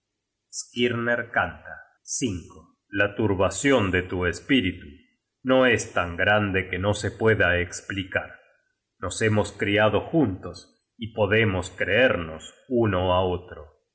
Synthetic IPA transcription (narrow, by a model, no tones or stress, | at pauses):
skiɾneɾkant̪a | siŋko | lat̪uɾβasjo̞nd̪et̪uespiɾit̪u | no̞est̪aŋɡɾand̪e̞ke̞no̞se̞pwe̞ðaeksplikaɾ | no̞se̞mo̞skɾiaðo̞xunt̪o̞s | ipo̞ðemoskɾeeɾno̞̰suno̞aot̪ɾo